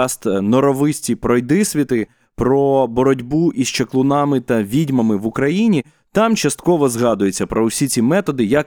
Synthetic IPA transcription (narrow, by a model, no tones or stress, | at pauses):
st̪nɔɾɔʋɪsʲtʲipɾɔjd̪ɪsʲʋʲit̪ɪ | pɾɔbɔɾɔdʲbuʔist͡ʃeklˠʊnɑmɪt̪ɐʋʲidʲmɐmɪʋukɾɐjinʲi | t̪ɑmt͡ʃɐst̪kɔʋɔzɦɑd̪ʊjet͡sʲːɐpɾɔʊsʲit͡sʲimɛt̪ɔd̪ɪjɐk